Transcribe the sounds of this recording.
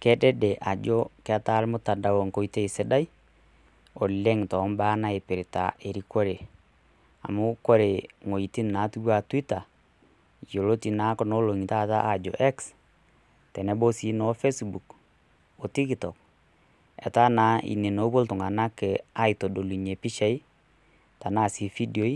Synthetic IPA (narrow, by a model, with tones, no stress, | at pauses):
kɛ˦dɛ˦dɛ˨ʔa˨d͡ʒo˦kɛ˦a˦ta˦lmʊ˦ta˨da˨wo˨ŋko˦i˦te˦i˨se˦da˦j | ɔ˨le˦ŋtɔ˨˦mbaː˦na˦e˨pɪ˨ɾta̰˨ʔe˨ɾi˨ko˦ɾe˨ | a̰˨mʊ˦ko˦ɾe˨ŋo˨i˨ti˦nna˨˦tu˦wa˨twi˦ta˨ | jo˨lo˦ti˨na˨˦kɔ˨no˦lo˨ŋi˨ta˦ta̰˦ʔa˨d͡ʒo̰˨ʔɛ˦ks | tɛ˨nɛ˦bo˦si˦nɔ˨˦fe˦sbu˨k | ɔ˨ti˦ktɔ˨k̚ | ɛ̰˨ta˦na˨˦ḭ˨ne˨no˨˦bo˦ltʊ˨ŋa˨na˦kɛ˨a˦i˨to˨do˨lu˨ɲe˨pi˦ʃɛ˦i˦ | ta˨naː˦˨si˨fi˦djo˦i˦